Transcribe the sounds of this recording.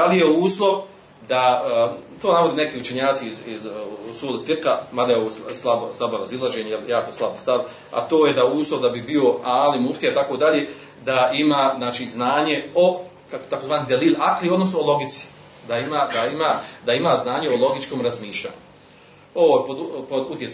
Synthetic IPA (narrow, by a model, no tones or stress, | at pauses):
d̪alijeuːslˠo̞ʋ | d̪a | t̪oːnaʋod̪ine̞kiut͡ʃe̞ɲaːt̪siizizusuːlit̪iɾkamad̪ajeoʋosslˠaboslˠaboɾazilˠaʒeːɲejeljaːkoslˠabst̪aʋ | a̰t̪oːjed̪auːslˠoʋd̪abibio̞aːlimuft̪ijait̪akod̪aʎeː | d̪aimaznaːt͡ʃiːznaːɲe̞o | kakt̪akozʋaːniɦd̪elilʲakliod̪nos̬nuolˠo̞ɡit̪si̥ | d̪aimaːd̪aimaːd̪aimaznaːɲeolˠo̞ɡit͡ʃkoːmɾazmiːʃʎa̰ːɲu | oʋoːpod̪pod̪ut̪jes